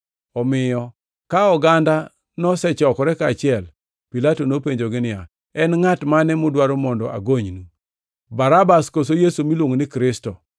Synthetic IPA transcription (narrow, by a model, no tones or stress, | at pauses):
ɔmɪjɔ | kaɔɡanda | nɔsɛt͡ʃɔkɔɾɛkaːt͡ʃɪɛl | pilatonopeɲd͡ʒoɡɪnɪa | ɛnŋatmanɛmʊdwaɾomɔndɔ̰ʔa̰ɡoɲnu | baɾabaskosojesumilwoŋnɪkɾɪstɔ